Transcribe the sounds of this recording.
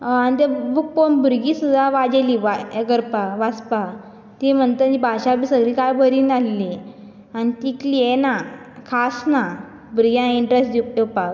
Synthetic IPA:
añit̪ebuk̚ponbuɾɡiːsud̪ʱaʋad͡ʑeliʋaɡəɾpaʋat͡spa | t̪im̤əɳt̪ənibʱaɕapiːsəɡɭiːkajbʱəɾiːnalːi | anit̪ikliena | kʰasna | bʱuɾɡjãiɳʈɾesd̪ipepa

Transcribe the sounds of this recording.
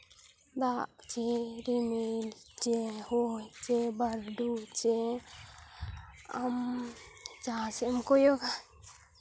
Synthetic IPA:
d̪aʔt͡ʃɛɾimilt͡ʃɛhɔt͡ʃɛbaɾɖut͡ʃɛ | am | d͡ʒasɛmkɔjɔka

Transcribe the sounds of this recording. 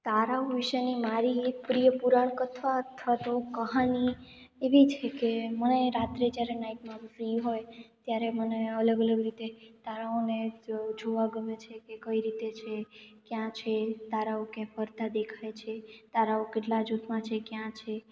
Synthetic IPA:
t̪aɾaoʋiʃənimaɾipɾijəpuɾaɳkət̪ʰʋaət̪ʰʋat̪okəɦanieʋit͡ʃʰekeməneɾat̪ɾed͡ʒjaɾenaiʈmãfɾiɦojt̪jaɾeməneələɡələɡɾit̪et̪aɾaoned͡ʒoʋaɡəmet͡ʃʰekekəiɾit̪et͡ʃʰekjãt͡ʃʰet̪aɾaokẽfəɾd̪ʱad̪ekʰajt͡ʃʰet̪aɾaokeʈlad͡ʒot̪ʰmãt͡ʃʰekjãt͡ʃʰe

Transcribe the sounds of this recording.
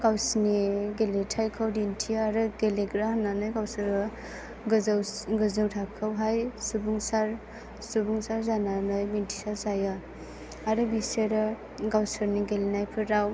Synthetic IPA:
ɡawsniɡeletʰajkʰɯwdintʰiaɾɯɡeleɡɾahananɯjɡawsɯɾɯ | ɡzwɡɯzɯwtʰakʰɯwɦajsubuŋsaɾ | subuŋsaɾzananɯjmintʰi̥sazaja | aɾɯbiseɾɯ | ɡawsɯɾniɡelnajpʰɯɾaw

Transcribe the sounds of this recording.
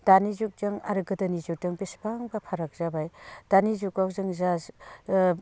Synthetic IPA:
d̥anizuk̚zaŋa̰ɾɡɯdanizuk̚dɯŋbisbaŋbapʰaɾak̚zabajd̥anizukawzɯŋzaz

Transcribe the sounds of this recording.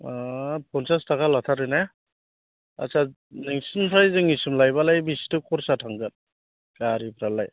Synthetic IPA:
apʰɔnsastakʰalatʰaɾɯna | a̰sa | niŋsɯnpʰɾajzɯŋisumlajbalajbisi̥tukʰɔɾsatʰaŋɡɯt̚ | kaɾipʰɾalaj

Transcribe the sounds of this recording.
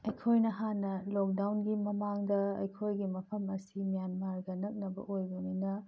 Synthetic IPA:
ɐjkʰojnɐɦanːɐlok̚dawnɡimɐmaŋdɐɐ̰jkʰojɡimɐpʰɐmɐsimijanmaɾɡɐnɐk̚nɐbɐ̰ʔojbɐninɐ

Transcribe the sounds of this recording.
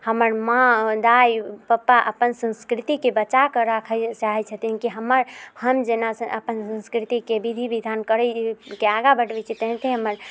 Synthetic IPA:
həməɾmãd̪ajpəpːaʔəpənsə̃nskɾit̪ikebət͡ʃakəɾakʰət͡ʃaɦɛt͡ʃʰət̪inkiɦəməɾhəmd͡ʒenasə̃ʔəpənsə̃nskɾit̪ikebid̪ʱibid̪ʱankəɾəkeaɡabəʈbɛt͡ʃʰit̪əɦt̪ʰeɦəməɾ

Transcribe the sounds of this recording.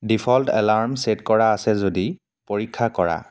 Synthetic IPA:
dipʰɔltɛ̰laɹmsetkɔɹaːsɛzodi | poɹikʰːakɔɹa̰

